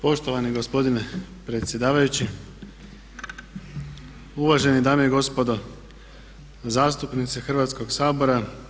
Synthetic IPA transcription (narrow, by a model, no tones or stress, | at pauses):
po̞ʃt̪oʋaniɡo̞spo̞d̪ine̞ | pɾet̪sje̞d̪aːʋajut͡ɕi | uʋaʒe̞nid̪aːmejeɡo̞spo̞d̪o̞ | zaːst̪upnit̪sexrʋat̪sko̞ɡsaːbo̞ɾa